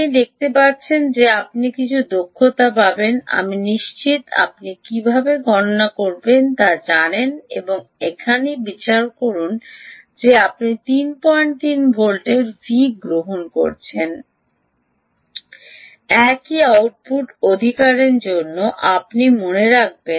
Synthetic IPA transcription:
nid̪ek̚t̪epatːɕʰend͡ʑeapnikit͡ɕʰud̪okʰːot̪apabena̰miniʃt͡ɕit̪a̰p̚nikibʱabeɡʱɔnonakoɾbent̪ad͡ʑanenḛboŋekʰanebit͡ɕaɾkoɾun | d͡ʑeapnit̪inpɔeɳʈt̪inbʱolʈeɾvʱiɡɾoɦonko̰ɾt͡ɕʰen | ɛkiawʈ̚puʈod̪ʱikaɾeɾd͡ʑonːoʔapnimoneɾak̚ben

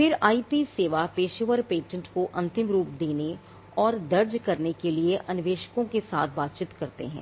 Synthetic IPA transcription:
fɪɾaːiːpiseːʋapeːʃəʋəɾpeːʈə̃ɳʈkoʔɐ̃nt̪ɪmɾuːpd̪eːne | ɔːɾd̪ɐɾd͡ʒkɐɾnekelieʔɐnɪʋeːʃkõkesa̰ːt̪ʰbaːt̪̚t͡ʃɪt̪kɐɾt̪ḛɦɛ̰̃ː

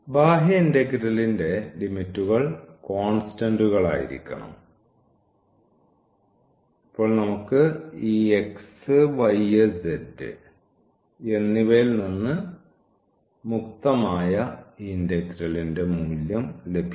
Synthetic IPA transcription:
baːɦjɐindɐkɾɐlinde̞limitːuɣɐɭko̞ːɳstɐnduɣɐɭa̰ːjḭɾḭkʲːɐ̰ɳɐ̰m | ipːo̞ːɭnɐmukːɨiːeksɨʋɐjesedɨ̰ | e̞nːiʋejilninːɨ | muk̚t̪ɐmaːjɐindekɾɐlinde̞muːljɐmle̞bʱi

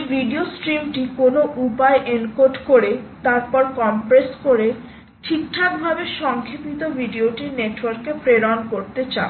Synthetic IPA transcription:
bʱiɖiosʈɾimʈikonoʔupaeʔenkoɖkoɾet̪aɾpɔɾkɔmpɾeskoɾe | ʈʰikʈʰak̚bʱabeʃɔŋkʰipit̪obʱiɖioʈiɾneʈwɔɾkepɾeɾankoɾt̪et͡ɕa̰

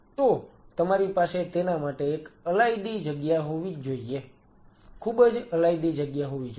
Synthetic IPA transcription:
t̪ot̪əmaɾipaset̪enamaʈeːkəlajd̪id͡ʒəɡjaɦoʋid͡ʒoie | kʰubəd͡ʒəlaid̪id͡ʒəɡjaɦoʋid͡ʒ

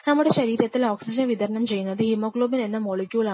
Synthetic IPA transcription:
nɐmːuɽeʃɐɾiːɾɐt̪ːilaːksid͡ʒɐnʋid̪ɐɾɐɳɐmt͡ʃɛjːɯnɐðɯhimoːkɭoːbinend̪ɐmoɭɐkʲjuːɭɐ

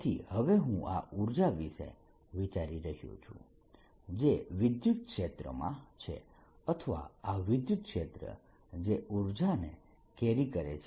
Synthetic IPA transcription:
t̪ʰḭhəʋeɦũʔa̰ʔuɾd͡ʒaʋiʃḛ | ʋit͡ʃaɾiɾəɦjṵ̃t͡ʃʰṵ̃ | d͡ʒeʋid̪jut̪̚kʃet̪ɾə̰mã̰t͡ʃʰḛ | ət̪ʰəʋa̰aʋid̪jut̪̚kʃet̪ɾə̰ | d͡ʒeʔuɾd͡ʒane | keɾikəɾḛt͡ʃʰ

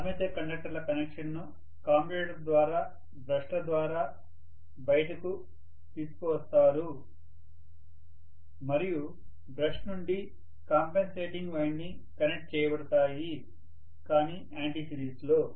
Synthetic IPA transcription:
ɐmet̪eːkɐɳɖɐk̚ʈɐɾlɐkɐnekʂɐnːu | kaːmpiɾeːʈɐɾd̪ʋaːɾaː | bɾɐʂʈɐd̪ʋaːɾaː | bɐjɐʈɐku | t̪iːsu̥kuʋɐst̪aːɾu | mɐɾiju | bɾɐʂʈnuɳɖi | kaːmpense̞ːʈiŋɡʋɐjɳɖiŋ | kɐnek̚ʈ̚t͡ʃɛːjɐbɐɽut̪aːji | kaːniːʔaːɳʈisiɾiːsloː

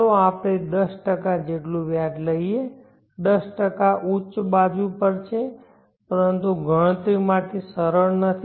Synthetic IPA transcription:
oapɽ̃ed̪əsʈəkad͡ʒeʈlũʋjaʈləie | d̪əsʈəkaʔut͡ʃbad͡ʒũpəɾt͡ʃʰe | pəɾənt̪uɡʱəɽ̃ə̃t̪ɾimãʈʰisəɾəɭnət̪ʰi

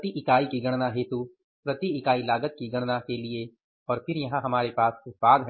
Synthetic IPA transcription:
t̪iʔɪkaːikiɡɐɽ̃naɦeːt̪u | pɾɐt̪iɪkaːilaːɡət̪̚kiɡɐɽ̃nakelie | ɔːɾpʰɪɾjɐɦãɦɐmaːɾepaːsɪbaːd̪ɦɛ

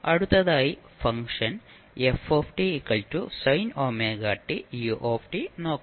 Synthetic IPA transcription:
ɐ̰ɽut̪ːɐðaːji | fɐŋʂɐn | efoːfʈiːkːɐɭtusɐjnoːmeːɡaːʈːijuʔoːfʈino̞ːkː

